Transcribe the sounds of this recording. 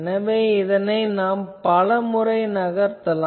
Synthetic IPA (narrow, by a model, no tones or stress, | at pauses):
nɐʋeːɪðɐnɐɪnaːmpɐlɐmɯrɐɪnɐɣɐɾt̪ɐlaː